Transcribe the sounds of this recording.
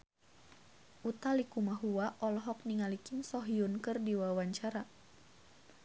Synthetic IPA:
ʔut̪alikumaɦuwaʔɔlɔɦɔk̚niŋalikɪnsɔɦiunkɨrdiwawaɲt͡ʃaɾa

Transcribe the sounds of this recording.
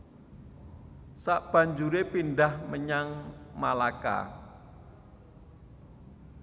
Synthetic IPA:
saʔb̥a̤ɲd͡ʒuɾepindahməɲaŋmalaka̰

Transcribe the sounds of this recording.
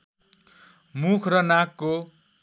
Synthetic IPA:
mukʰrʌnakːo

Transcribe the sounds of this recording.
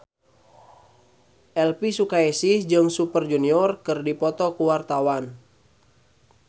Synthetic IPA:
ʔɛlpisukaɛsisd͡ʒɨŋsupərd͡ʒuniɔrkɨrdipɔt̪ɔkuwart̪awan

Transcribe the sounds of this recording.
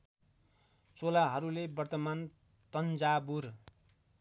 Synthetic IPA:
t͡solaɦʌɾulebʌrt̪ʌman | t̪ʌnd͡zabur

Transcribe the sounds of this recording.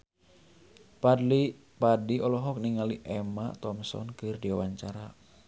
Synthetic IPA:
padiɔlɔɦɔk̚niŋaliʔɛma̰t̪ɔmsɔ̰nkɨrdiwawaɲt͡ʃaɾa

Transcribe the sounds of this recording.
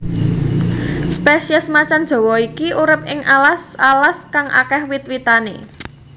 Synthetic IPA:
speʃiɛsmat͡ʃand̥ʒ̥ɔ̤wɔikiuɾɪp̚ɪŋʔalasalaskaŋʔa̰kɛhwɪt̪̚wit̪anḛ

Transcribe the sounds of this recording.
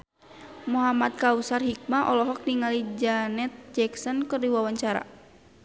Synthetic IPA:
muɦamat̪̚kausarhik̚maʔɔlɔɦɔk̚niŋalid͡ʒanɛt̪̚d͡ʒɛksɔnkɨrdiwawaɲt͡ʃaɾa̰

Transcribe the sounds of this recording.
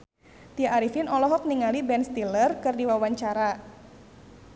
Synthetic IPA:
t̪iaʔːɾifɪnɔlɔɦɔk̚niŋalibɛnst̪ilərkɨrdiwawaɲt͡ʃaɾa

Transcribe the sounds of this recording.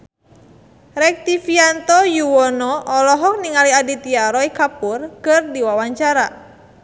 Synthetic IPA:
ɾɛk̚t̪ifiant̪ɔjuwɔnɔʔɔlɔɦɔk̚niŋaliadit̪iaɾɔikapurkɨrdiwawaɲt͡ʃaɾa

